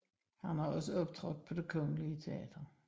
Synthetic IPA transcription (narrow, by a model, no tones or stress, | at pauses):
hænæɒ̽səɒ̽b̥̚t͡sʰʁɔd̥̚ˠpʰɒ̽d̥e̝kʰɔ̽ŋəliət͡sʰe̝ɛ̰ːd̥ɐ